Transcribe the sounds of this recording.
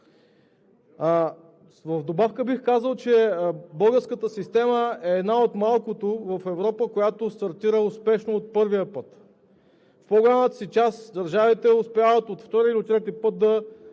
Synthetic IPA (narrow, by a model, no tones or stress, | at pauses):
vəvd̪obafkəbixkazəlˠt͡ʃɛbɤlˠɡəɾskət̪əsist̪ɛməɛːd̪naot̪malˠkot̪ovɐfɛvɾɔpəkojat̪ost̪ɐɾt̪iɾəʊspɛʃnoːt̪̚pɤɾvijəpɤt̪ | fpɔɡolʲamət̪ə̥sit͡ʃasd̪ɐɾʒavit̪ɛʊspʲavət̪ot̪ft̪ɔɾiilit̪ɾɛt̪ipɤt̪̚d̪ɐ